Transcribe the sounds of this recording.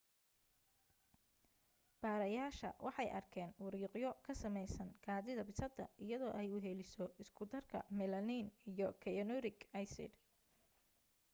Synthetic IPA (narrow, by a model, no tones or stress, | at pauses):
b̥aːɾɐjaːʃɐ̰wʔɑħɑjʔɐ̰rkʰɛːnwʊɾiːqjɔkʰɐsɐmɛjsɐnkʰaːðɪðɐbɪsɐd̪ɐʔɪjɐðɔːʔɛjʊɦɛlɪsɔɪskʰʊd̪ɐrkʰɐ̰mɛlɐninijɔkʰɛɔnɔɾɪkɐjsɪ̰d̪